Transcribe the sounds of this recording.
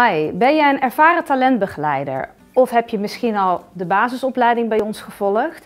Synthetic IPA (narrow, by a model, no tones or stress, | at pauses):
ɛjbɛnjəənɛɹv̥aːrətalɛndbəχəlɛjdə̰ɹ | ɔfɦɛpjəmɪsχinɑlˠdəbaːzəsɔplɛjdɪŋbɛjɔnsχəv̥ɔləχt